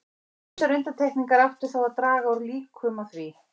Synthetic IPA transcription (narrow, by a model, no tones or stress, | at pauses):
t̪aɾʏnt̪ant̪ʰɛhkniŋkaɾaft̪ʏɾ̥θawaðt̪ɾaːɣaawɾliːkʰʏmaθvi